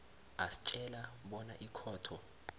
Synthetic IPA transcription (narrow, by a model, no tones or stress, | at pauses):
asi̥t͡ʃʼɛlaɓɔna̰ʔikʰɔːtʰɔ